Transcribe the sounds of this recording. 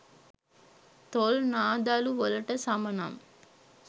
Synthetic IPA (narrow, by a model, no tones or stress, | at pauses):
t̪olnaːd̪aːluʋɔlɐʈɐsɐmɐnɐ̰m